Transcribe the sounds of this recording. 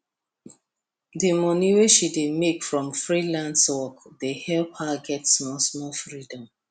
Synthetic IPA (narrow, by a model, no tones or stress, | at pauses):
dimɔniweʃidemekfɹɔ̃mfɹilãnswɔkdehɛlp̚haɡɛtsmɔsmɔfɹidɔ̃m